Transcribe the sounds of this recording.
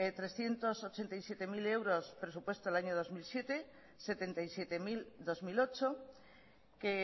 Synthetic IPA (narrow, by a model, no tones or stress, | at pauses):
et̪ɾesθjent̪osot͡ʃent̪ajsjet̪emilewɾospɾesupwest̪olaɲoð̞ozmilsjet̪e | set̪ent̪ajsjet̪emild̪ozmilot͡ʃo | ke